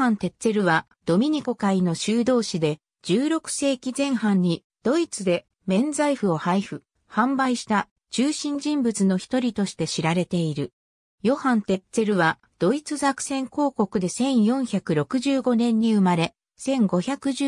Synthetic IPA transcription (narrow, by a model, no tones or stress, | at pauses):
ãnt̪e̞t͡se̞ɾɯ̟βa | d̪̥o̞mʲiɲ̟iko̞kaino̞ɕɨːd̪o̞ːɕid̪e̞ | d͡ʑɨːɾo̞kɯ̟̥se̞ːkʲizẽ̞ɰ̃hãɲ̟ːi | d̪̥o̞it͡sɨd̪e̞ | mẽ̞nd͡zaiɸɯ̟o̞haiɸɯ̟ | hãmbaiɕi̥t̪a | t͡ɕɨːɕĩɲ̟d͡ʑĩmbɯ̟t͡sɨno̞çi̥t̪o̞ɾʲit̪o̞ɕi̥t̪e̞ɕiɾaɾe̞t̪e̞iɾɯ̟ | jo̞hãnt̪e̞t͡se̞ɾɯ̟βa | d̪̥o̞it͡sɨzakɯ̟̥sẽ̞ŋko̞ːko̞kɯ̟d̪e̞sẽ̞ɰ̃jõ̞ɰ̃çakɯ̟ɾo̞kɯ̟ʑɨːɡo̞nẽ̞ɲ̟ːiɯ̟maɾe̞ | sẽ̞ŋɡo̞çʲakɯ̟ʑ